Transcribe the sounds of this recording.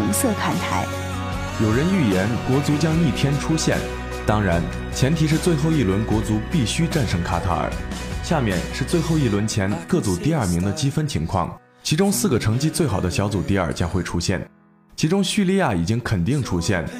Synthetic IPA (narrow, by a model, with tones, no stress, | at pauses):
ŋsɤ˥˧kʰa˥˩nt̪ʰa˧˥ɪ | jo˨˩ʊɻə˧˥ny˥˩jɛ˧˥nkwɔ˧˥t͡su˧˥t͡ɕjɑ˥ŋi˥˩t̪ʰjɛ˥nʈ͡ʂʰu˥ɕjɛ̰˥˩n | t̪ɑ˥ŋɻa˧˥n | t͡ɕʰjɛ˧˥nt̪ʰi˧˥ʂ̬ɻ̩˥˧t͡swe˥˧ɪxo˥˧ʊi˥˩lwə˧˥nkwɔ˧˥t͡su˧˥pi˥˩ɕy˥ʈ͡ʂa˥˧nʂɤ˥˩ŋkʰa˥t̪ʰa̰˥ə̰˨˩˦ɕja˥˧mjɛ̰˥˧nʂɻ̩˥˧t͡swe˥˧ɪxo˥˧ʊi˥˩lwə˧˥nt͡ɕʰjɛ˧˥nkɤ˥˩t͡su˨˩t̪i˥˧ɐ˞˥˩mi˧˥ŋd̪ə˧t͡ɕi˥fə˥nt͡ɕʰi˧˥ŋkʰwɑ̰˥˩ŋ | t͡ɕʰi˧˥ʈ͡ʂʊ˥ŋsɹ̩˥˩ɡə˩ʈ͡ʂʰɤ˧˥ŋt͡ɕi˥˧t͡swe˥˩ɪxɑ˨˩ʊd̪ə˦ɕjɑ˧˥ʊt͡su˨˩t̪i˥˧ɐ̰˞˨˩t͡ɕjɑ˥ŋxwe˥˩ɪʈ͡ʂʰu˥ɕjɛ̰˥˩n | t͡ɕʰi˧˥ʈ͡ʂʊ˥ŋɕy˥˧li˥˧ja˥˩i˨˩t͡ɕi˥ŋkʰə˨˩nt̪i˥˩ŋʈ͡ʂʰu˥ɕjɛ̰˥˩n